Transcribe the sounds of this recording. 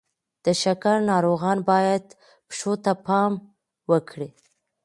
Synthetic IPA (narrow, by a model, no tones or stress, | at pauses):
d̪̥əʃakaɾnɑɾoɣɑnbɑjad̪ | pʃot̪apɑm | wəkʰɽi